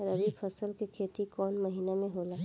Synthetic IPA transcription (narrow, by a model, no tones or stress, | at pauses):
ɾəʋipʰəsəlkekʰeːt̪ikɔːnmɐɦiːnamẽɦolaː